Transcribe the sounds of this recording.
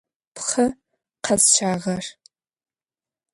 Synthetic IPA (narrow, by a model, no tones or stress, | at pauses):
pχɐ | qʰɐzt͡ʃʰaːʁɐr